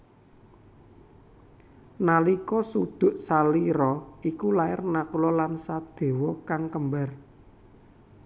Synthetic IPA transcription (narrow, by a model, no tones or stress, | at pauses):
nalikɔsud̪̥ʊ̤ʔsaliɾɔikulaɪrnakulɔlansad̪̥e̤wɔkaŋkəmbar